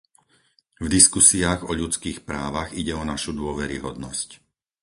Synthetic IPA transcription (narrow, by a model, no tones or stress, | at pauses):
vd̪iskusiaːɣɔʎut͡skiːxpɾaːʋaɣiɟɛɔnaʃud̪ʊɔʋɛɾḭɦɔd̪nɔsc